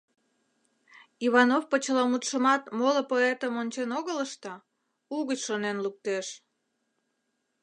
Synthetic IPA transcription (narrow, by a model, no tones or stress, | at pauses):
iβɑnofpət͡ɕəlɑmut̪ʃəmɑt̪moləpoet̪əmonʲt͡ɕenoɣələʃt̪ə | uɣət͡ɕʃonenluk̚t̪eʃ